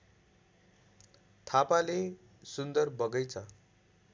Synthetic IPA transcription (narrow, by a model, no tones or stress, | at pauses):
t̪ʰapale | sund̪ʌrbʌɡʌjt͡sʰʌ